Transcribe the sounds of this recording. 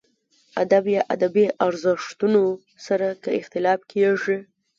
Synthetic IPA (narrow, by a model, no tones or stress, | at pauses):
ad̪abjɑʔa̰d̪abiʔaɾzɪʂt̪uno | saɾakəɪxt̪ɪlɑfkʰeʐi